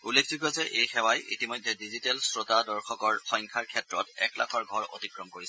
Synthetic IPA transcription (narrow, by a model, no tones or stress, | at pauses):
ulːekʰziɡɔzɛʔejxɛwajḭtimɔjdʱːɛdizitɛlsɹotadɔɹxɔkɔɹxɔjŋkʰaɹkʰɛtɹɔtɛ̰kla̰kʰɔɹɡʱɔɹo̰tikɹɔmkoɹisɛ